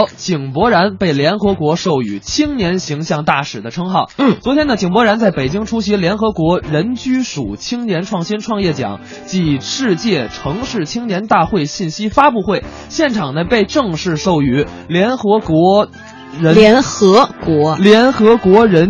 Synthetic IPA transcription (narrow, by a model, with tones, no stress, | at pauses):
t͡ɕi˨˩ŋpwɔ˧˥ɻa˧˥npe˥˩ɪljɛ˧˥nxɤ˧˥kwɔ˧˥ʂo˥˩ʊy˧˥t͡ɕʰi˥ŋnjɛ˧˥nɕi˧˥ŋɕjɑ˥˧ŋt̪a˥˩ʂɻ̩˨˩d̪ə˦ʈ͡ʂʰɤ˥ŋxɑ˥˩ʊ˥˩t͡swɔ˧˥t̪ʰjɛ˥nd̪ə˨˩t͡ɕi˨˩ŋpwɔ˧˥ɻa˧˥nt͡sa˥˩ɪpe˨˩ɪt͡ɕi˥ŋʈ͡ʂʰu˥ɕi˧˥ljɛ˧˥nxɤ˧˥kwɔ˧˥ɻə˧˥nt͡ɕy˥ʂu˨˩t͡ɕʰi˥ŋnjɛ˧˥nʈ͡ʂʰwɑ˥˧ŋɕi˥nʈ͡ʂʰwɑ˥˧ŋjɛ˥˩t͡ɕjɑ̰˨˩˦ŋ | t͡ɕi˧˥˩ʂɻ̩˥˧t͡ɕjɛ˥˩ʈ͡ʂʰɤ˧˥ŋʂɻ̩˥˩t͡ɕʰi˥ŋnjɛ˧˥nt̪a˥˧xwe˥˧ɪɕi˥˩nɕi˥fa˥pu˥˧xwe˥˩ɪ | ɕjɛ˥˩nʈ͡ʂʰɑ˨˩ŋnə˦pe˥˧ɪʈ͡ʂɤ˥˧ŋʂɻ̩˥˧ʂo˥˩ʊy˧˥ | ljɛ˧˥nxɤ˧˥kwɔ˧˥ | ɻə˧˥nɛ˧˥nxɤ˧˥kwɔ˧˥ljɛ˧˥nxɤ˧˥kwɔ˧˥ɻə˧˥n